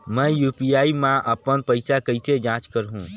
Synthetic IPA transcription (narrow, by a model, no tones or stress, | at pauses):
məjupijaimãʔəpənpəɪjsakəɪsed͡ʒãt͡ʃkəɾɦũ